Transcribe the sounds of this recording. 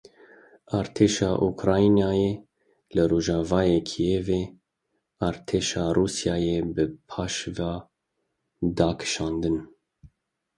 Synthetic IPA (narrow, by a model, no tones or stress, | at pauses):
ɑːɾt̪ʰeːʃɑːʔukʰɾɑːinɑːjeː | lɨɾoːʒɑːvɑːjeːkʰijeːveː | ɑːɾt̪ʰeːʃɑːruːsjɑːjeːbɨpʰɑːʃvɑː | d̪ɑːkʰɨ̥ʃɑːnd̪ɨn